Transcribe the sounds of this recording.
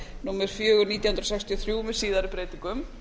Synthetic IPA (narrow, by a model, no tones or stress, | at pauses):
nuːmɛɾ̥fjœːɣʏɾniːt̪jahʏnɾɔsɛkst̪ʰiɔθɾjumɛðsiːðaɾʏpɾeːjt̪iŋkʏm